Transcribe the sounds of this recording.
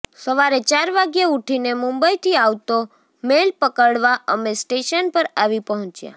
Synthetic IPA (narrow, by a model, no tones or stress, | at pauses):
səʋaɾet͡ʃaɾʋaɡjauʈʰinemũmbəit̪ʰiaʋt̪o | melpəkəɽʋaʔəmesʈeʃənpəɾaʋipəɦɔ̃t͡ʃja̰